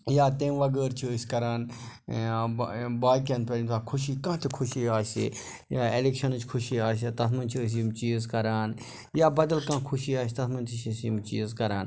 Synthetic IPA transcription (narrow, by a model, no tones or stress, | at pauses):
jaːt̪ẽːmʋɐɡəːɾt͡ʃʰisʲkɐɾaːn | baːkẽnt̪peɾinsaːkʰʊʃiːkãːt̪ʰikʰʊʃiːaːsḛ | jaːelekʃɐnɨt͡ʃʰkʰʊʃiaːs̬et̪ɐsmɐnʲt͡ʃʰis̬mt͡ʃiːzkɐɾaːn | jaːbɐd̪ɐlkãːkʰʊʃiːaːs̬t̪ɐsʰmɐnt̪ʰiʃsimt͡ʃiːzkɐɾaːn